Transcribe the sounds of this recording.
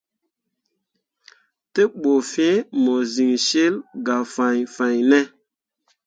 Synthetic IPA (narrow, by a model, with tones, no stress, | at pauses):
te˦ɓo˨fẽ˦mo˨zi˨ŋʃe˦lɡa˨fã˨jfa˨jnɛ˦